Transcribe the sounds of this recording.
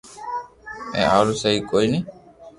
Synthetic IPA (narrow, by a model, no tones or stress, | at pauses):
ɛ̰̃aɾuseikojni